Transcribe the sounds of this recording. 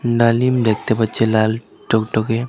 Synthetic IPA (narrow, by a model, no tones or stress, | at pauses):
nalimd̪ek̚t̪epət͡ʃʰelal | ʈɔkʈɔke